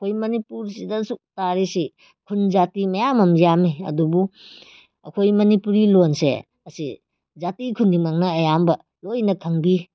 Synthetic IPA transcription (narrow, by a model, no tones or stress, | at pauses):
ɐkʰojmɐnipuɾsidɐsuk̚taɾisi | kʰund͡ʒatimɐjamɐmjamiɐ̰dubu | ɐkʰojmɐnipuɾilonsḛ | ɐsḭ | zatikʰunːimaŋnɐːjambɐ | lojnɐkʰɐŋbi